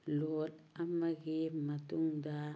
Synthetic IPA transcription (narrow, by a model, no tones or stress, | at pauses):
lot | amaɡimatuŋda